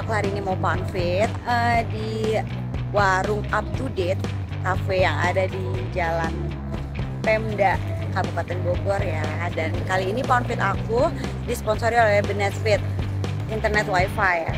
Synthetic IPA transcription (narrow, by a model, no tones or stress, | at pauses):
kuhaɾiːnimaupanfɪt̪̚ədi | waɾʊŋap̚t̪udɛt̪̚ | kafejaŋa̰dadid͡ʒalan | pɛmdaʔ | kabupat̪ɛnboɡɔrja | dankaliːnipanfɪt̪aku | dispɔnsoɾiolɛhbənɛt̪fɪt̪̚ | int̪ərnɛt̪̚wajfaj